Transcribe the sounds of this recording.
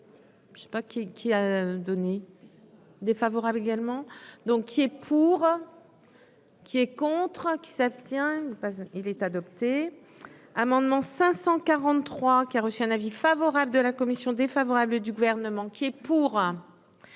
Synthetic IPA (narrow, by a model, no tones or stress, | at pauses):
ʃe̥pakʲikʲʰiad̪ɔne | d̪efavɔʁableɡalmɑ̃d̪ɔ̃kːiɛpʰuʁ | kʲiɛkɔ̃t̪χəkʲi̥sapst̪jɛ̃pailɛt̪ad̪ɔp̚t̪e | amɑ̃d̪mɑ̃sɛ̃sɑ̃kaʁɑ̃t̪t̪ːχwakʲiaʁəsyɛ̃navifavɔʁabləd̪əlakɔmisjɔ̃d̪efavɔʁabləd̪yɡuvɛʁnəmɑ̃kʲiɛpuʁ